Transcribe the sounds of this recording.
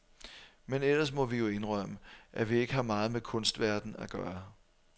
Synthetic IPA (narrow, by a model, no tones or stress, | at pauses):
menel̰ɐs̬mɒ̽ʋijo̝e̝nʁœməʔæʋie̝ɡ̥əhɑ̈mɑ̈ːð̞̩ˠmekʰɔ̽nsd̥ʋæɐd̥n̩æɡ̥ɶːɐ